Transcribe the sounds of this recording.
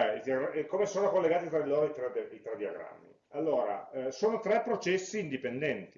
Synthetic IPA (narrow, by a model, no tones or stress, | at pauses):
ɛid̪ioɡɾakːomesoːnokolːeɡaːt̪it̪ɾad̪iloːɾoit̪ɾɛd̪ɛit̪ɾɛd̪ioɡɾa̰mːḭ | alːoːɾa̰soːnot̪ɾɛpːɾot͡ʃɛsːiːnd̪ipend̪ɛnt̪i